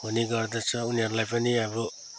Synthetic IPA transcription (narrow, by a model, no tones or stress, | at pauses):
ɦuniɡʌrd̪ʌt͡sʰʌuniɦʌɾulajpʌniʌbʌ